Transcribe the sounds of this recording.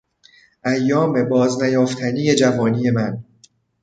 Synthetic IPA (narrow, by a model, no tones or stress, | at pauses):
ʔæjːɒːme̞bɒːznæjɒːft̪ʰæniːje̞d͡ʒævɒːniːje̞mæn